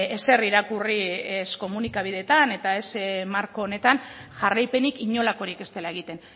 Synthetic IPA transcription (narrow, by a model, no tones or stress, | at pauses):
ese̞riɾakuriesko̞munikaβ̞iðe̞t̪ane̞t̪ae̞smaɾko̞ːne̞t̪anʝarajpe̞nikiɲo̞lako̞ɾike̞st̪e̞laeɣ̞it̪e̞n